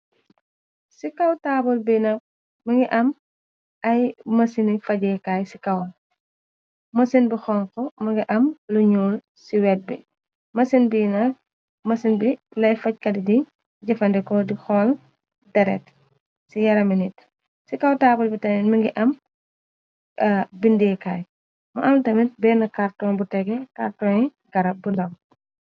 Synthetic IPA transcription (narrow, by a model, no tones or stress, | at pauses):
sikɐwtaːbɔlbinɐp̚ | mɐŋɡiʔɐm | ɐjmɐsinifɐɟɛkaːjsikɐwl | mɐsinbixɔŋkɔmɐŋɡiʔɐmluɲuːl | siwɛt̚bḭ | mɐsinbinɐ | mɐsinbilɐjfɐc̚kɐdidi | ɟɐfɐndɛkɔdixɔːl | dɐɾɛ̰t | sijɐɾɐminit | sikɐwtaːbulbitɐminmɐŋɡiʔɐm | ɐbindɛkaːj | mɐʔɐntɐmit̚bɛːnɐkartɔnbutɛɡɛkartɔɲɛ | ɡɐɾɐbundɐw